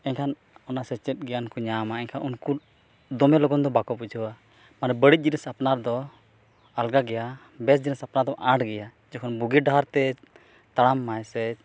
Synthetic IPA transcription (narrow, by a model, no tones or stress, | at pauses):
ɛɲkʰan | ɔnasɛt͡ʃɛt̪̚ɡɛjankɔɲamaɛɲkʰanunku | d̪ɔmɛlɔɡɔnd̪ɔbakɔpud͡ʒʰʱəwa | maɾɛbəɽic̚ˀd͡ʒinisapnaɾd̪ɔ | alɡaɡɛja | bɛs̬d͡ʒinisapnad̪ɔʔaɖɡɛja | d͡ʒɔkʰɔnbuɡiɖaɦaɾt̪ɛ | t̪aɽamːaɛsɛ